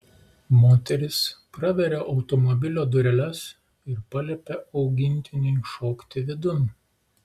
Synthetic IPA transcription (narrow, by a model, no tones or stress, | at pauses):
moːt̪ʲɛɾʲɪspɾɐʋʲɛɾʲeʔɒʊt̪ɔmɔbʲɪlʲoːd̪ʊɾʲɛlʲɛs | ɪɾpɐlʲɛpʲɛʔɒʊɡʲɪnʲt̪ʲɪnʲɛɪʃoːkt̪ʲɪʋʲɪd̪ʊn